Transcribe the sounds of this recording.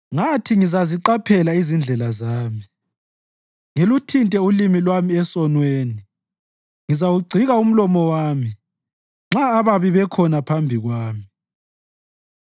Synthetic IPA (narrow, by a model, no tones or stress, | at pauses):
ŋatʰiŋizaziǃapʰɛlaizind͡ɮʱɛlazaːmi | ŋelutʰintʼɛulimilwamiɛsɔnweːni | ŋizawuɡ͡ǀʱiɣaum̩lɔmɔwaːmi | ŋ͡ǁaːβaβiβɛkʰɔnapʰambʱiɣwaːmi